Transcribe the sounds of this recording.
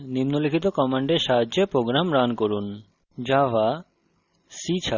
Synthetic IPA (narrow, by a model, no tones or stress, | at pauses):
nimnolikʰit̪̬okɔmaɳɖeɾʃaɦadʑepɾoɡɾamɾankoɾun | d͡ʑaba | sit͡ɕʰa